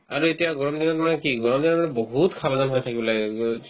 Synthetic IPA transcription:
aɹuetijaɡɔɹɔmdinɔtmanɛkiɡɔɹɔmdinɔmanɛboɦutkʰabzɔnɦojtʰakibɔlaɡ

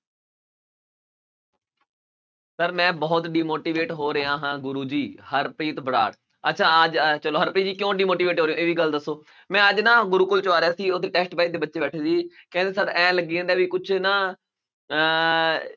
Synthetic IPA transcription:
səɾmɛ̃ːbɔːt̪ɖiːmoːʈiːʋeːʈɦoːɾəãːɦãːɡʊɾuːd͡ʒiːhəɾpɾiːt̪bəɽa̰ːɽ | ətːʃʰaːəd͡ʒt͡ʃəloːɦəɾpɾiːd͡ʒiːkjõːɖiːmoːʈiːʋeːʈɦoːɾejõːeːʋiːɡəld̪əsːoː | mɛ̃ːəd͡ʒnãːɡʊɾuːkʊlt͡ʃaːɾejaːsiːot̪ːeːʈɛːsʈbaːid̪eːbətːʃeːbɛːʈʰːsiːkɛ̃nd̪eːsəɾɛ̃ːləɡiːə̃ːd̪aːʋiːkʊt͡ʃʰnãː

